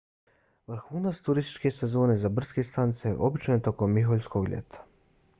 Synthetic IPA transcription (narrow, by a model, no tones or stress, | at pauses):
ʋr̩xuːnat̪st̪uɾist̪i̥t͡ʃke̞sezo̞ːne̞zabr̩ske̞st̪anit̪sej̰ʔo̞bit͡ʃnojt̪o̞ko̞mːiɦoʎʲsko̞ɡʎḛt̪ʰḁ